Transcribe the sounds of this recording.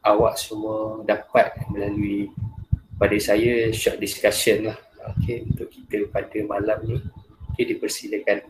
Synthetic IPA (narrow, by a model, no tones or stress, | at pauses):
awaʔsumuədapat̪̚mə̃lalui | padasajaʃɔʔ̚diskasənlah | o̰keunt̪ʊʔki̥t̪əpadəmalamniokedipərsiləkan